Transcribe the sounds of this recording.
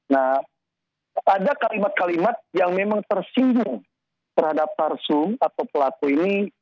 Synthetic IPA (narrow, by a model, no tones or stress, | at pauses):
nah | adakalimat̪̚kalimat̪̚jaŋmemaŋt̪ərsiŋɡʊŋ | t̪ərhadap̚tarsumat̪awpəlakuini